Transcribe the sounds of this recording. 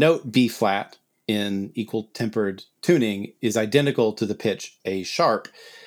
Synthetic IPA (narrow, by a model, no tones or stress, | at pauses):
noʊt̚b̥iflæɾ | ɪ̃nikʰwəl̩ˠtʰɛ̃mpə˞d̚tʰʉ̃nɪ̃ŋɪzaɪdɛ̃ñɨkl̩ˠtʰɨðɨpʰɪt͡ʃɨʃɑɹp